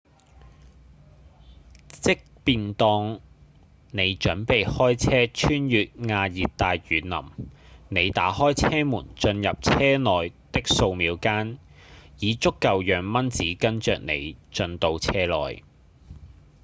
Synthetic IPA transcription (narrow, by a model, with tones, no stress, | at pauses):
t͡sɪ˥k̚piː˨nt̪ɔː˧ŋ | ne˨˧jt͡ʃɵ˨˥npe˨jhɔː˥jt͡sʰɛː˥t͡ʃʰyː˥njyː˨t̚ŋaː˧jiː˨t̚t̪aː˨jjyː˨˧nnɐ̰˨˩mne˨˧jt̪a̰ː˨˥hɔː˥jt͡sʰɛː˥muː˨˩nt͡ʃɵ˧njɐ˨p̚t͡sʰɛː˥nɔː˨jt̪ɪ˥k̚so˧wmiː˨˧wkaː˥n | jiː˨˧t͡sʊ˥kːɐ˨wjœː˨˧ŋmɐ˥nt͡siː˨˥kɐ˥nt͡ʃœː˨k̚nḛ˨˧jt͡ʃɵ˧nt̪o˧wt͡sʰɛː˥lɔ̰ː˨j